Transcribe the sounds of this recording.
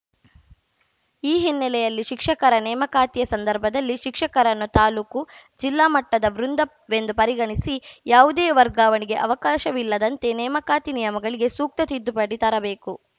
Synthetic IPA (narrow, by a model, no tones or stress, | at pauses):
iːɦinːɛlɛjɐlːiʃikʂɐkɐɾɐnɛːmɐkaːt̪ijɐsɐnd̪ɐɾbʱɐd̪ɐlːiʃikʂɐkɐɾɐnːut̪aːluːkud͡ʒilːaːmɐʈːɐd̪ɐʋɾund̪ɐ | ʋe̞nd̪upɐɾiɡɐɳisijaːʋud̪eːʋɐɾɡaːʋɐniɡe̞ʔɐʋɐkaːʃɐʋilːɐd̪ɐnt̪e̞nɛːmɐkaːt̪inijɐmɐɡɐɭiɡe̞suːk̚t̪ɐt̪id̪ːupɐɽit̪ɐɾɐbe̞ːku